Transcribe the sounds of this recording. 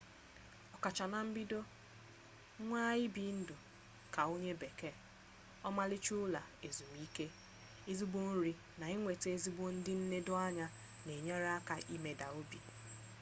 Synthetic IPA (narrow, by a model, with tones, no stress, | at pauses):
ɔ˨ka˨t͡ʃa˨na˦m̩˦bi˦do˦ | ŋʷaː˦ɪ˦bi˨n̩˦dʊ˨ | ka˨o˦ɲe˦be˨ke˦˨ | ɔ˦ma˦lɪ˦t͡ʃu˦la˨e˨zu˨m˨i˦ke˦ | i˦zi˦bo˦n̩˦ɾi˦ | na˨ɪ˦ŋʷe˨te˦zi˦bo˦n̩˦dɪ˦n̩˦ne˦dʊ˦a˦ɲa˦ | ne˨ɲe˦ɾa˦ka˨ʔi˦me˦da˨o˦bi˨